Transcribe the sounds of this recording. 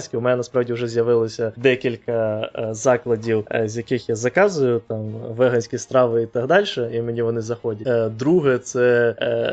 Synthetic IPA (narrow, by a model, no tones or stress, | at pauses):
sʲkʲiʊmɛnʲɛnɐspɾɑʋdʲiʊʐɛzʲjɐʋɪlˠɔsʲɐd̪ɛkʲilʲkɐzɑklˠɐdʲiwzʲjɐkɪxjazɐkɑzʊjʊt̪ɑmʋɛɦɐnʲsʲkʲist̪ɾɑʋɪit̪ɑɦd̪ɑlʲʃɛimenʲiʋɔnɪzɐxɔdʲɐd̪ɾuɦɛt̪sɛ